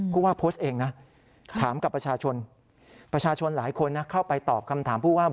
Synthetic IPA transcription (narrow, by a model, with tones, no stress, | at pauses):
pʰuː˥˩waː˥˩pʰoː˦˥st̪̚ʔeː˧ŋna˦˥ | t̪ʰaː˩˦mka˨˩pɾa˧t͡ɕʰaː˧t͡ɕʰo˧n | pɾa˧t͡ɕʰaː˧t͡ɕʰo˧nlaː˩˦jkʰo˧nːa˦˥kʰa˥˩wpa˧jt̪ɔː˨˩p̚kʰa˧mt̪ʰaː˩˦mpʰuː˥˩waː˥˩